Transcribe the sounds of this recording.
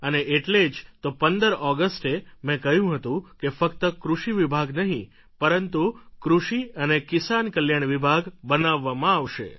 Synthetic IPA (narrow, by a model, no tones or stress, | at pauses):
əneʔeʈled͡ʒt̪opənd̪əɾɔɡəsʈemɛ̃kəɦjũɦət̪ũkefəkt̪əkɾuʃiʋibʱaɡnəɦḭ̃ | pəɾənt̪ukɾuʃiənekɪsankəljaɳ̃ʋibʱaɡbənaʋːamãaʋʃḛ